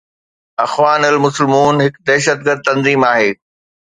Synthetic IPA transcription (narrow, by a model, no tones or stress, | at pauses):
ɐxʋaːnɐlmʊsɪlmuːnɦɪkd̪ɛːʃəd̪̚ɡəɾd̪̚t̪ɐ̃nziːmaːɦeː